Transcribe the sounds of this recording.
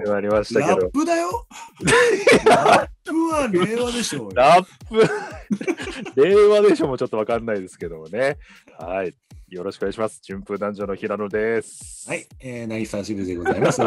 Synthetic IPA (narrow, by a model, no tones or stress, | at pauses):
eaaɾʲimaɕi̥t̪aked̪opːɯd̪ajo | aɯaɾβad̪eɕoɾappːɯ | de̞βad̪e̞ɕo̞ːmoːt͡ɕo̞t̪ːo̞βakanːaid̪e̞sɨ̥ke̞d̪o̞mo̞ne̞ | hai | jo̞ɾo̞ɕi̥koɡaiɕimasɨ̥t͡ɕĩmpɯ̃d̪ãɲd͡ʑo̞no̞çiɾanod̪e̞sɨ̥haieːnaisaɕiɾid̪eɡozaimasɨ